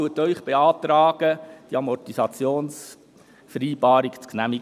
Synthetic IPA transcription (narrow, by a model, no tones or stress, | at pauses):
uətœʏχb̥eɑːt̪ɾɑːɡ̥əd̥iɑmɔrtisɑt͡sjoːns | fɾiːbɑːɾikt͡sknæmiɡ